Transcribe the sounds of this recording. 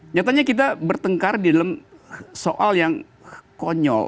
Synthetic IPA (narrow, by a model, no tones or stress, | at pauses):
ɲat̪aɲakit̪̬abərt̪əŋkardidalamsoʔaljaŋ | koɲɔ̰l